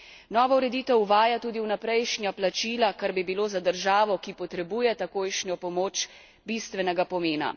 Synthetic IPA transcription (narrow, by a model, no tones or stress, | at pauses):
nɔːʋɔuɾɛd̪iːt̪ɛwuʋaːjat̪uːd̪iwnapɾɛjʃnjaplat͡ʃiːlakaɾbibiloːzad̪əɾʒaːʋɔkipɔt̪ɾɛbuːjɛt̪akoːjʃnʲjɔpɔmoːt͡ʃ | bist̪ʋɛnɛɡapɔmeːna̰